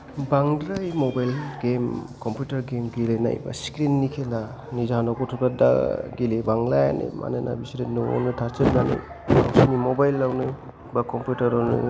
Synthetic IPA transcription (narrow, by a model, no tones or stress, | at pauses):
baŋdɾajmobajlɡemkompjutɐɾɡemɡilɯjna̰jba̰skɾinːikʰela | nizanɔkɔtʰukada̰ɡilibaŋlaja̰nḭma̰nenʔa̰bisiɾenuo̰nɯtʰaɾt͡ʃɯɾnanɯ̰j | sinimobajlːawnɯj | bakomputɐɾɔnɯ̰